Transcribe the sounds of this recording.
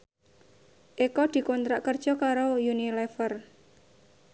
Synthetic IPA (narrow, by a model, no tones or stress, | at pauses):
ʔekɔd̪̥i̤kont̪ɾaʔkərd̥ʒ̥ɔ̤kaɾojunilɛfər